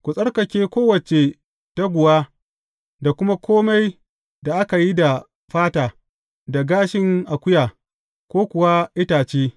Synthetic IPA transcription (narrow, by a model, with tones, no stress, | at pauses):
kʷʊ˨sʼɐ˦rkɐ˨kʲeː˦kʷoː˦wɐ˨t͡ʃe˨ | ta˦ɡʷʊ˨waː˦ | da˨kʷʊ˦ma˦kʷoː˦ma˦j | da˨ʔa˦ka˨ji˦da˨ | ɸaː˦taː˨ | da˨ɡaː˦ʃɪ˦ŋʔa˨kʷʊ˦jaː˨ | kʷoː˦kʷʊ˨wa˦ʔɪ˦taː˨t͡ʃeː˦